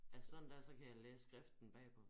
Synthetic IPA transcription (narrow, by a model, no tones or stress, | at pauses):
æsɒ̽dn̩d̥æɐsɒ̽kʰæjɑ̈ɪleːsəsɡ̥ʁafd̥n̩b̥ɛ̰ːpʰɒ̽